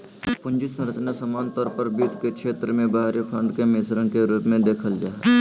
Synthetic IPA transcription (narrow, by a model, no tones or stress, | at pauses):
pʊ̃ɲd͡ʒɪsɾət͡ʃnasəmaːnt̪ɔːɾpəɾbiːd̪kekʃeːt̪ɾəmẽbaɦaɾepʰə̃ɳɖkemɪsɾə̃keɾuːpmẽd̪eːkʰəld͡ʒaːɛ